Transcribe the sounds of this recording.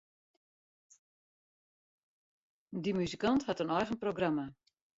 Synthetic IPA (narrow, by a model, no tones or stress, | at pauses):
dimyzikanthatənɔjχənproɡrama